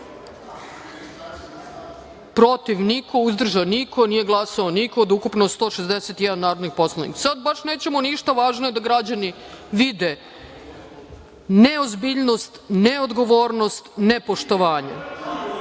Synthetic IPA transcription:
pɾo̞t̪iʋniko̞uzd̪r̩ʒaniko̞nije̞ɡlˠasaoniko̞ːd̪ukupnost̪o̞ːʃezd̪eset̪jɛd̪anːaːɾod̪nixpo̞slˠanḭkasad̪̚baʃne̞ːt͡ɕe̞moniʃt̪aʋaːʒnoje̞d̪aɡɾad͡ʑani | ʋid̪e | neozbiʎnost̪neod̪ɡo̞ʋoːɾno̞st̪nepo̞ʃt̪o̞ʋaːɲa̰

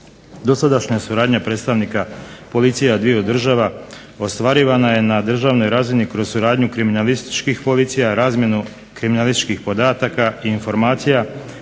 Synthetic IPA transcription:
d̪o̞sad̪aʃɲasuɾaːd̪ɲapɾe̞ːt̪st̪aʋnikapo̞lit̪sijad̪ʋijeod̪r̩ʒaʋa | o̞st̪ʋaɾiʋanaje̞nad̪r̩ʒaːʋno̞jɾaːzinikɾo̞zsuɾaːd̪ɲukɾiminalist̪i̥t͡ʃkixpo̞lit̪sijaɾaːzmje̞nu | kɾiminalist̪i̥t͡ʃkixpo̞d̪aːt̪akaiːnfo̞ɾmaːt̪sija

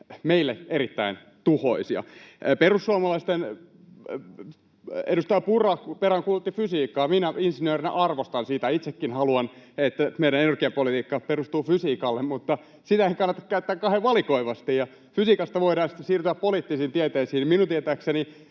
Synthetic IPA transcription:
meilːeeɾit̪ːæin | t̪uho̰isiɑ̰perusːuɑmɑlɑist̪en | edust̪ɑjɑpurɑkpeɾæŋkulut̪ːifysiːkːɑːminæinsinøːrinɑ̰ʔɑrʋost̪ɑnsiːt̪æit̪sekːinhɑluɑnet̪ːæmeiɾænenerɡiɑpolit̪iːkːɑperust̪uːfysiːkɑlːemmut̪ːɑ | sit̪æeikɑnːɑt̪ɑkkæyt̪ːæːkkɑheʋʋɑlikoiʋɑst̪ijjɑ | fysiːkɑst̪ɑʋoiɾɑːnsi̥t̪ːsiːrt̪yæppoliːt̪ːisiːnt̪iet̪eisiːniminunt̪iet̪æːkseni

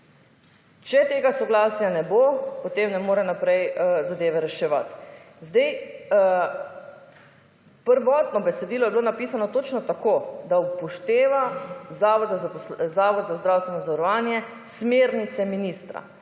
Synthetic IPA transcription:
t͡ʃɛt̪eːɡasɔɡlaːsjanɛbopɔt̪eːmnɛmoːɾɛnapɾɛjzad̪eːʋɛɾɛʃɛʋa̰t̪ | zd̪ɛj | pəɾʋɔt̪nɔbɛsɛd̪iːlɔjɛbiloːnapiːsanɔt̪oːt͡ʃnɔt̪akod̪aupɔʃt̪eːʋazaʋɔd̪zzaːʋɔd̪zazd̪ɾawst̪ʋɛnɔzaɾɔʋaːnjɛ | smeːɾnit̪sɛminist̪ɾa̰

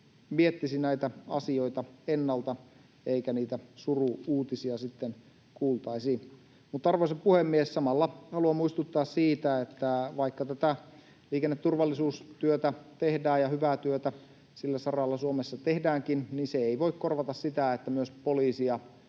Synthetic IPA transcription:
miet̪ːisinæit̪æɑ̰sio̞it̪ɑenːɑlt̪ɑ | eikæniːt̪æsuruuːt̪isiɑsit̪ːen | kuːlt̪ɑisiː | mut̪ːɑrʋoiseppuhemːiessɑmɑlːɑhɑluɑmuist̪ut̪ːɑːssiːt̪æet̪ːæʋɑikːɑt̪æt̪æ | liːkenːet̪t̪ːurʋɑlːisuːst̪yøt̪æt̪ehdæːjjɑhyʋæt̪yøt̪æ | silːæsɑrɑlːɑsuomesːɑt̪ehdæːŋkinninseeiʋoikkorʋɑt̪ɑssit̪æet̪ːæmyøspoliːsiɑ

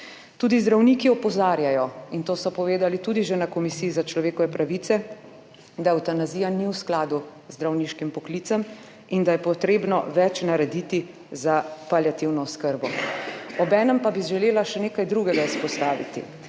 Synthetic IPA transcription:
t̪uːd̪izd̪ɾawnikiɔpɔzaːɾjajɔint̪oːsɔpɔʋeːd̪alit̪ud̪iʒenakɔmisiːzat͡ʃlɔʋeːkɔʋɛpɾaʋiːt̪sɛ | d̪awt̪anaziːjaniwsklaːd̪uzd̪ɾawniːʃkimpɔkliːt̪səm | ind̪ajɛpɔt̪ɾeːbnɔʋɛt͡ʃnaɾɛd̪iːt̪i | zapaljat̪iwnɔɔskəɾbɔɔbɛːnəmpabiʒɛleːlaʃɛneːkajd̪ɾuɡɛɡaispɔst̪aːʋḭt̪ḭ

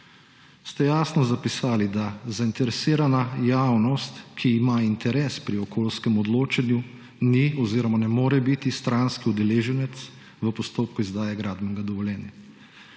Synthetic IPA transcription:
st̪ɛjaːsnɔzapisaːlid̪azaint̪ɛɾɛsiːɾanajaːwnɔst̪kʰiːmaint̪ɛɾɛːspɾiɔkʰoːlskɛmɔd̪loːt͡ʃanju | niɔziːɾɔmanɛmoːɾɛbit̪ist̪ɾanskiud̪ɛleːʒɛnɛt̪s | ʋəpɔst̪oːp̚kuizd̪aːjaɡɾaːd̪bmɛnɡad̪ɔʋɔljɛːnja

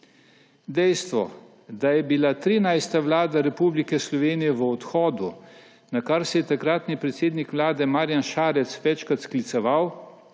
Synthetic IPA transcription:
d̪ɛjst̪ʋɔ̰ | d̪ajɛbilat̪ɾiːnajst̪aʋlaːd̪aɾɛpuːblikɛslɔʋeːnijɛʋəɔt̪xɔːd̪u | nakaɾsɛjɛt̪akɾaːt̪nipɾɛt̪seːd̪nikʋlaːd̪ɛmaːɾjanʃaːɾɛt̪sʋɛt͡ʃkɾat̪sklit̪sɛʋaw

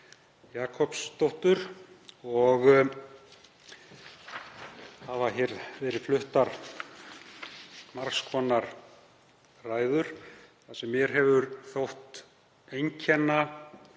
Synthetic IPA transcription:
jaːkʰɔpst̪owht̪ʏɾ | ɔɣ | havaçɛɾvɛːɾɪflʏht̪aɾ̥ | maɾ̥skʰɔnaɾ | raːjðʏɾ̥θasɛmːjɛɾ̥ɦɛvʏɾθowht̪ | ejɲcʰɛnːa

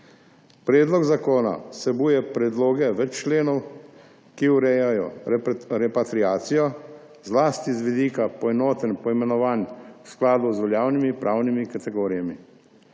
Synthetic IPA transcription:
pɾɛːd̪lɔɡzakoːna̰sɛbuːjɛpɾɛd̪loːɡɛʋɛt͡ʃt͡ʃleːnɔw | kiuɾɛjajɔ̰ | ɾɛpat̪ɾiaːt̪sijɔ | zlaːst̪izʋid̪iːkapɔɛnoːt̪ənpɔimɛnɔʋaːnwsklaːd̪uzʋɔljaːwnimipɾʔaːwnimikat̪ɛɡoːɾijami

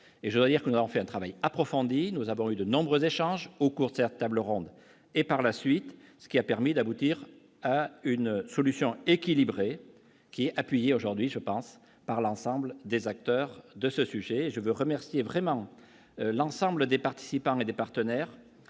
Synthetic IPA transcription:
eʒəd̪wad̪iʁkənuzavɔ̃fɛɛ̃t̪χavajapχɔfɔ̃d̪inuzavɔ̃yd̪ənɔ̃bʁøzeʃɑ̃ʒokuʁd̪əsɛt̪t̪ːabləʁɔ̃d̪ | epaʁlasɥit̪sə̥kʲiapɛʁmid̪abut̪iʁ | aynsɔlysjɔ̃ekʲilibʁe | kʲiɛapɥijeoʒuʁd̪ɥiʒəpɑ̃s | paʁlɑ̃sɑ̃bləd̪ezak̚t̪œʁd̪əsəsyʒeːʒəvøʁəmɛʁsjevʁɛmɑ̃ | lɑ̃sɑ̃bləd̪epaʁt̪i̥sipɑ̃ed̪epaʁt̪ənɛʁ

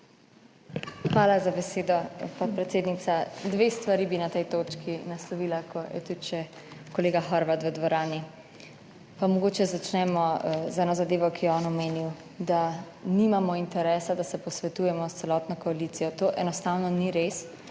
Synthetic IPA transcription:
xʋaːlazabɛseːd̪ɔpapɾɛt̪seːd̪nit̪sad̪ʋeːst̪ʋaɾibinat̪ɛjt̪oːt͡ʃkʰinaslɔʋiːlakʰɔjɛ̰t̪ut̪ʃɛ | kɔleːɡaxɔɾʋat̪ʋəd̪ʋɔɾaːni | pamɔɡoːt͡ʃɛzat͡ʃnɛmɔzɛːnɔzad̪eːʋɔkijɛɔːnɔmeːniw | d̪a | nimamɔint̪ɛɾɛːsad̪asɛpɔsʋɛt̪ujɛmɔst̪sɛlɔːt̪nɔkɔaliːt̪sijɔt̪oːʔɛnɔst̪awnɔniɾes

